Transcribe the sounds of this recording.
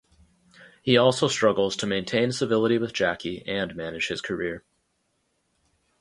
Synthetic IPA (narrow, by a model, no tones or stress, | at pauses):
hiɔlˠsoʊstɹ̥ʌɡl̩ˠz̥tʰɨmẽɪ̃ntʰẽɪ̃nsɨvɪlˠəɾiwɨðd͡ʒækiɨ̃nmænɨ̥ʒ̥hɨz̥kʰə˞ɪɹ